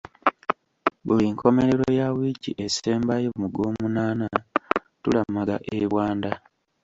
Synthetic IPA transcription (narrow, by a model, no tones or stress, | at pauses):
βuliŋkʰo̞me̞ɾe̞ɾojawiɟiʔeseːmbajomuɡo̞ːmunaːna | tulamaɡa̰ʔeβwaːnda